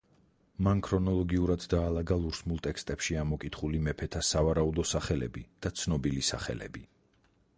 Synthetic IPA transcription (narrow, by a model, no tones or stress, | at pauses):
mankʰɾɔnɔlˠɔɡiuɾad̪d̪aːlˠaɡalˠuɾsmulˠt̪ʼɛkst̪ʼɛpʃiamɔkʼit̪ʰχulimɛpʰɛt̪ʰasavaɾaud̪ɔsaχɛlɛ̰bid̪̥at̪sʰnɔbilisa̰χɛ̰lɛ̰bi